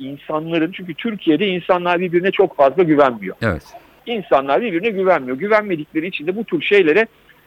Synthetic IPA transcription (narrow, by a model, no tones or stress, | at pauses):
insanlˠaɾɯnt͡ʃʰyɲcʰyt̪ʰyɾcʰije̞d̪ɛinsanlˠaɾbiɾbiɾinɛt͡ʃʰo̞kfazlˠaɟyvænmijo̰eɛ̰t̪ | insanlˠaɾbiɾbiɾinɛɟyvænmijo̞ɟyvænme̞d̪iclʲeinit͡ʃʰind̪ɛbut̪ʰyɾʃe̞jlʲe̞ɾɛ